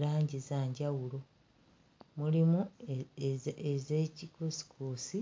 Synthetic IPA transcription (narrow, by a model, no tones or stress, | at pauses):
ɾaːɲɟizaːɲɟawulo̞ | mulimu | ezeːcikosi̥kʰuːsi